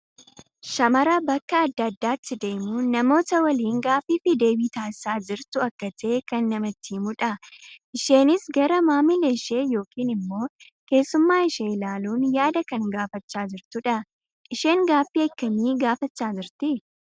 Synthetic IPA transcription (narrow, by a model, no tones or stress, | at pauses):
ʃɐmɐɾɐbɐkːɐːd̪ːɐːd̪ːaːt̪ːɪd̪e̞ːmunɐmo̞ːt̪ɐwɐliːŋɡaːfiːfɪd̪e̞ːbiːt̪aːsaːd͡ʒɪɾt̪ʊɐkːɐt̪e̞ːkɐnːɐmɐt̪ːiːmʊᶑɐʔɪʃe̞ːnɪsɡɐɾɐmaːmileʃe̞ːjo̞ːkʰiːnɪmːo̞ː | ke̞ːsːʊmːaːɪʃeːɪlaːluːnjaːd̪ɐkɐŋɡaːfɐt͡ʃːaːd͡ʒɪɾt̪ʊᶑɐ | ʔɪʃe̞ːŋɡaːfːiːɐkːɐniːɡaːfɐt͡ʃːaːd͡ʒɪɾt̪ɪ